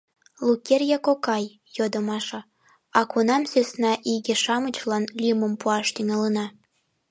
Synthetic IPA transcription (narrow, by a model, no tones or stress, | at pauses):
lukʲerjɑkokɑj | jod̪əmɑʃɤ̆ | ɑkunɑmsøsnɑʔiɣĕʃɑmət͡ɕlɑnlʲiməmpuɑʃt̪yŋɑlənɑ